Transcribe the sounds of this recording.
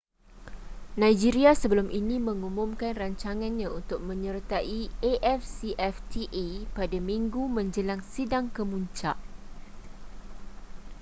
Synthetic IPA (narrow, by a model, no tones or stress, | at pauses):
nãjd͡ʒiɾiasəbəlʊmʔinĩmə̃ŋumũmkanraɲt͡ʃaŋãnɲãunt̪ʊk̚mə̃ɲərt̪aʔieʔɛfsiʔɛft̪ʰiʔipadamĩŋɡumə̃ɲd͡ʒəlaŋsidaŋkəmuɲt͡ʃa̰ʔ